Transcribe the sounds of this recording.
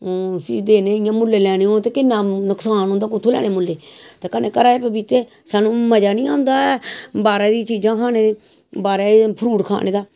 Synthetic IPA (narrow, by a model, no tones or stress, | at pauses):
siːd̪eːneːɪjãːmʊlːeːlɛːɽ̃eːõːt̪eːkɪnːãːnʊksaːnõːnd̪aːkʊt̪ʰːoːlɛ̰ːɽ̃eːmʊlːeːt̪eːkənːeːkəɾaːeːpəbit̪eː | saːnũːməd͡ʒaːnĩːaːʊ̃nd̪aːbaːɾaːd̪it͡ʃiːd͡ʒãːkʰaːneːe | baːɾeːpʰɾuːʈkʰa̰ːɽ̃ʔeːd̪aː